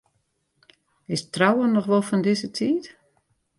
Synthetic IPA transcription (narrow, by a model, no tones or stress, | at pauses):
ɪstrawənɔxʋɔlˠfɔndɪsətʰiːt